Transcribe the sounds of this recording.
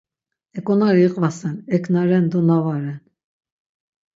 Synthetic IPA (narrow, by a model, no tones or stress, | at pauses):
ɛkʼɔnaɾiiqʼvasɛnɛkʰnaɾɛnd̪ɔnavaɾɛn